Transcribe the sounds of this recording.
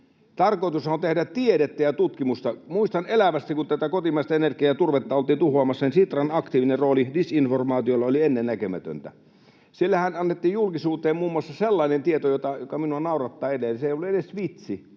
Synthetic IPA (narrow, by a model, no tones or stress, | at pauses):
t̪ɑrkoˑt̪usont̪ehdætt̪iedet̪ːæjɑt̪ut̪kimust̪ɑmuist̪ɑnelæʋæst̪ikunt̪æt̪ækot̪imɑˑist̪ɑenerkiæt̪urʋet̪ːɑolt̪ˑiːnt̪uhoɑmɑsːɑnisit̪rɑnɑkt̪iːʋinerroːlidisinformɑːt̪iolːɑolienːennækømæ̰t̪ø̰nt̪æ̰ | silːæhænɑnːet̪ːiːjjulkisuːt̪eːmmuːmːuɑsːɑselːɑinent̪iet̪ojot̪ɑjokɑminuɑnɑˑurɑt̪ːɑːetenseˑiolːuedesʋit̪si